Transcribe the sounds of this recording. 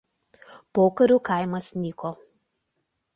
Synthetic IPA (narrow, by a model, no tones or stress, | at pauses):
poːkɐɾʲuːkɐɪmɐsnʲiːkoː